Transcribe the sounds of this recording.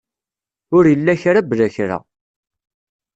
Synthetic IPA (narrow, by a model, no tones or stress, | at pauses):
ʊɾjəlːæçɾablæçɾa̰